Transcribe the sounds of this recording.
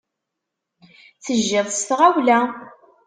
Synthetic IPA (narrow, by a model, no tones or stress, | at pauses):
θəʒːɪðˤst̪ʁawlæ